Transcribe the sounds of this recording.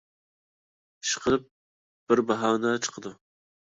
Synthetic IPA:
ʃqʰəp̚ | b̥ɪɾbɑɦɑːnɛt͡ʃʰə̥qʰəd̪u

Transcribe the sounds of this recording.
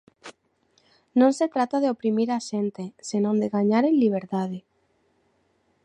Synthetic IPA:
nõnset̪ɾat̪aðeopɾimiɾaʃent̪esenõnd̪eɣaɲaɾenliβ̞eɾt̪aðe

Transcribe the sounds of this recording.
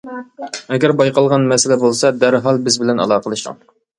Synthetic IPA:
ɛɡʲɛɾbɑjqʰɑlˠʁɑnmɛsɪlɛbolˠsɑd̪æɾɦɑlˠbɪzbɪlɛnɑ̰lˠɑːqʰəlˠɨʃɑ̰ŋ

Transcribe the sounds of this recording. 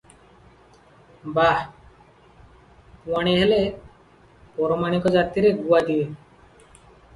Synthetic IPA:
ba | waɽ̃iɦele | pɔɾɔmaɽ̃ikɔd͡ʒat̪iɾeɡuad̪iwe

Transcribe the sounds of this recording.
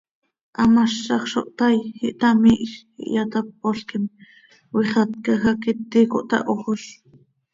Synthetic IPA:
ʔɑmaʃːɑχʃo̰ʔt̪ɑjhiʔt̪ɑmiʔx | ḭʔjat̪ap̚ːoɬkim | wiχɑt̪̚kɑxɑkit̪ːikoʔt̪ɑ̰ʔoχoʃ

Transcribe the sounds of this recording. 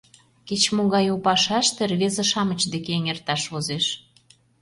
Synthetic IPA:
ket͡ɕmoɣɑjupɑʃɑʃt̪erβezĕʃɑmə̆t͡ɕd̪ekeŋert̪ɑʃvozeʃ

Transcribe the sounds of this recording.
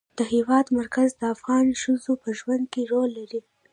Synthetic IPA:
d̪̥əhewɑd̪maɾkazd̪əafɣɑnʃəzopəʒwand̪̚keɾolːaɾi

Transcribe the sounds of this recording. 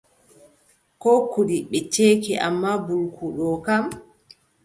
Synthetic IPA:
kɔːkuɗiɓɛt͡ʃeːkiʔa̰mːabulkʰuɗɔkam

